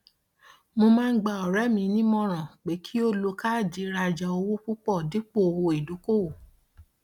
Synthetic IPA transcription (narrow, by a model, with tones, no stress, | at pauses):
mõ˧mãː˦˧˦ɡ͡ba˧˨ɔ˨ɾɛ˦mĩ˧nĩ˦mɔ̃˦ɾ̃ã˨k͡pe˨˦kʰi˦o˦lo˧ka˦˨d͡ʒi˨˦ɾa˧d͡ʒa˧o˧wo˦k͡pu˦k͡pɔ˦˨di˨˦k͡po˦˨o˧wo˧˨i˨du˨˦ko˦˨wo˨